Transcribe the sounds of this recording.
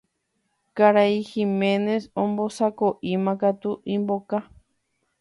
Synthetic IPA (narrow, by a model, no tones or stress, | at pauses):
kaɾaiximẽnesõmbosakoʔimãkat̪uʔĩmboka